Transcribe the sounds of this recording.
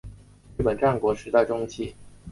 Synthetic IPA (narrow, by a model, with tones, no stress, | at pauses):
ɻ̩˥˩pə˨˩nʈ͡ʂa˥˩nkwɔ˧˥ʂɻ̩˧˥t̪a˥˩ɪʈ͡ʂʊ˥ŋt͡ɕʰi˥˩